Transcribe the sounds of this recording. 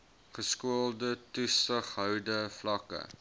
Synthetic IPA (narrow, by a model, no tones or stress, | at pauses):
χəskuəlˠdətusəχɦœwdəflɐkə̰